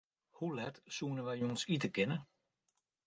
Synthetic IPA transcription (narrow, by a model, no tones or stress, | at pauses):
hulɛtsuənəʋɛjjunsit̬əkɪnə